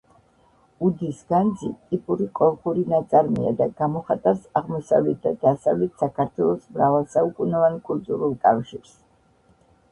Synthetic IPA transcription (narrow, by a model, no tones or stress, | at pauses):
ud̪isɡ̥and̪zḭt̪ʼipʼuɾiqʼɔlˠχuɾinat̪sʼaɾmia̰d̪aɡ̥amɔχat̪ʼaɾsaʁmɔsa̰vlɛt̪̚ʰd̪ad̪̥asavlɛt̪ʰsakʰaɾt̪ʰwɛlˠɔsmɾavalˠsaukʼunɔvankʼult̪ʼuɾulˠkʼafʃiɾs